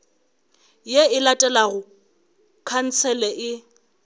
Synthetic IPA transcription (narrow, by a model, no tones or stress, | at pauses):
jeɪlatʼɛlaɣʊ | kʰan̩t͡sʰɛlɛʔɪ